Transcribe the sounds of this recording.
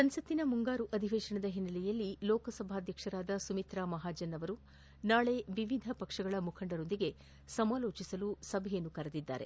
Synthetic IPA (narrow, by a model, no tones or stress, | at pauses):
sɐnsɐt̪ːinɐmuŋɡaːɾuʔɐd̪ʱiʋeːʃɐɳɐd̪ɐɦinːɐlɛjɐlːilɔːkɐsɐbʱaːd̪ʱjɐkʂɐɾaːd̪ɐsumit̪ɾaːmɐɦaːd͡ʒɐnːɐʋɐɾu | naːɭe̞ʋiʋid̪ʱɐpɐkʂɐɡɐɭɐmukʰɐɳɖɐɾo̞nd̪iɡe̞ | sɐmaːlo̞ːt͡ʃisɐlusɐbʱɛjɐnːukɐɾɐd̪id̪ːa̰ːɾḛ